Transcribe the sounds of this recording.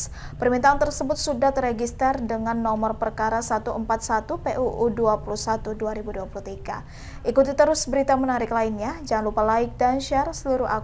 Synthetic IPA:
pərmint̪aant̪ərsəbʊt̪̚sudat̪reɡist̪ərdəŋanːɔmɔrpərkaɾasat̪uəmpat̪̚sat̪upeʔuʔːduapulusat̪uduaɾibuduapulut̪iɡa̰ | ʔikut̪it̪əɾʊsbəɾit̪amənaɾɪklainɲad͡ʒaŋanlupalaɪk̚danʃarsəluɾʊa

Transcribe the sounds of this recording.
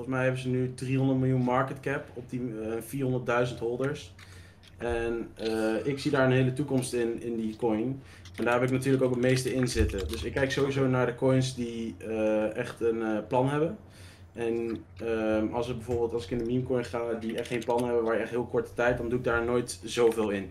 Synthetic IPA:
fɔlən̩smɛjɦɛbənzənydriɦɔndəɹtmɪlˠjunmɑɹkətkɛpɔb̚difiːɹɦɔndəɹt̚dœɥzəntɦɔlˠdəɹs | ɛnəɪksidaːɹənɦejlətukɔmstɪnɪndikɔjn | ɛndaːɹɪlɪknatyːɹləkowkətmejstəɪnzɪtədɵsɪkːɛjksowizownaːɹdəkɔjnsdiəɛχtənəplɑnɦɛbən | ɛnəɑlˠsəɡ̚bɛvoːɹbɪːlˠtɑlˠsɪ̥kɪndəmimkɔjnχaːdiɛχtχejnplɑnəɦɛbəʋaːɹɪɛχtɦɪːlˠkɔɹtə̥tɛjt̚dɑnduɪɡ̚daːɹnoːjtz̥owvɪːlˠɪn

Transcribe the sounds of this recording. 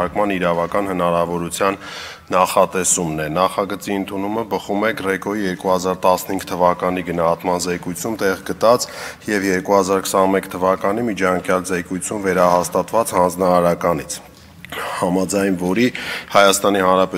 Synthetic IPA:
ɑɾkmɑniɾɑvɑkɑn̪hənɑɾɑvɔɾut͡sʰjɑnː | ɑχɑt̪ɛsumnɛnɑχɑɡət͡siənt̪ʰunuməbəχumɛɡrɛkɔjijɛɾkuhɑzɑɾt̪ɑsnəhiŋɡt̪ʰəvɑkɑniɡənɑɦɑt̪mɑnzɛkujt͡sʰumt̪ɛʁɡət̪ɑt͡sjɛvjɛɾkuhɑzɑɾkʰə̥sɑnmɛkt̪ʰəvɑkɑnimit͡ʃʰɑŋkʰjɑlzɛkujt͡sʰumvɛɾɑhɑst̪ɑt̪vɑt͡shɑnd͡znɑɑɾɑkɑnit͡sʰ | hɑmɑd͡zɑjnvɔɾihɑjɑst̪ɑnihɑnɾɑpɛ

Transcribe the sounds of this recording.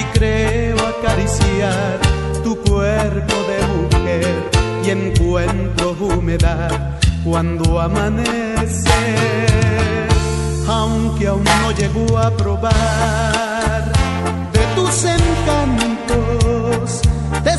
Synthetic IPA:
ikɾeoakaɾisjjaɾ | t̪ukweɾpo̞ðemuxeɾ | ieŋkwent̪ɾoxumeða | ð | kwand̪oamãne | se | ɾ | awŋkeauŋno̞ʝeɣoapɾo̞βa | ɾ | ðet̪useŋkant̪os | t̪e

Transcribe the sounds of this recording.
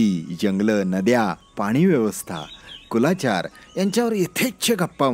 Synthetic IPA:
id͡ʑəŋɡlənəd̪japaɽ̃iːʋjeʋəst̪ʰa̰kulat͡ɕa̰ɾjaɲt͡ɕjaʋəɾet̪ʰekt͡ɕʰeɡʱapːa

